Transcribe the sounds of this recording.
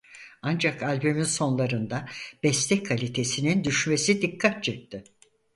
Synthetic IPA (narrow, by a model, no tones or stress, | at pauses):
and͡ʒakalʲbyminso̞nlˠaɾɯnd̪ab̥ɛslɛckʰalʲit̪ʰe̞sinind̪yʃme̞sid̪ikʰːat̪̚t͡ʃʰɯk̚t̪ʰɯ